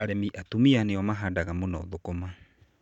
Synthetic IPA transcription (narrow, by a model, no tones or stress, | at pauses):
ɾemiʔatumianeamaɦadaɣamonɔ̰ðokoma